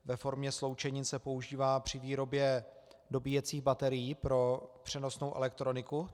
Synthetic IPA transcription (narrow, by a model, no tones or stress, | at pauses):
vɛfo̞ɾmɲɛslo̞wt͡ʃɛɲiːnsɛpo̞uʒiːvaːpr̝̥ɪviːɾo̞bjɛ | do̞biːjɛt͡siːɣbat̪ɛɾɪjiːpɾo̞pr̥ɛno̞snowʔɛ̰lɛk̚t̪ɾo̞nɪku